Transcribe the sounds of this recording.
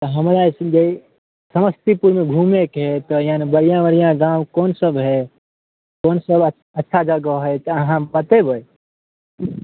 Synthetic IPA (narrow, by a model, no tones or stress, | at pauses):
t̪ɔɦəmɾasd͡ʒe | səməst̪ipuɾmẽɡʱuːmekɦɛt̪ɔjaːnibəɽijãʋəɾijãɡãːwkoːnsəbɦɛ | koːnsəb | ɐtːʃʰad͡ʒaɡoɦɛt̪ɦãmpət̪ebʱoe